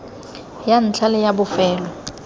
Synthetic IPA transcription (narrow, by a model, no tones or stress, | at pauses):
jan̩t͡ɬʰalɪjabʊfɛːlɔ